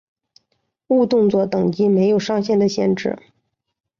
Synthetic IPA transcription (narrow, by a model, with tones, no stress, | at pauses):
u˥˧t̪ʊ˥˧ŋt͡swɔ˥˩t̪ɤ˨˩ŋt͡ɕi˥me˧˥ɪjo˨˩ʊʂɑ˥ŋɕjɛ˥˩nd̪ə˩ɕjɛ̰˥˧nʈ͡ʂɻ̩̰˥˩